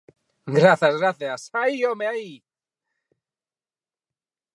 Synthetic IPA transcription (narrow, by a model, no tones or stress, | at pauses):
ɡɾaθazɣɾaθjasaiomeaii